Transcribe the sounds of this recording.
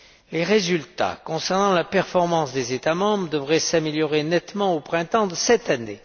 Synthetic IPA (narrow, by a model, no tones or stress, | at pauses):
leʁezylt̪a̰kɔ̃sɛʁnɑ̃lapɛʁfɔʁmɑ̃sd̪ezet̪amɑ̃bʁəd̪əvʁɛsameljɔʁenɛt̪mɑ̃opχɛ̃t̪ɑ̃d̪əsɛt̪ane